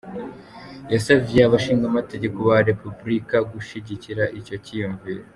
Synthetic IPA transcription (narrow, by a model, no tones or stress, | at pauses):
jasavjeaβaʃiːŋɡamate̞ɟe̞ko̞βaɾe̞pubɾikaɡuʃiɟiciɾaʔico̞cijuɱviːɾe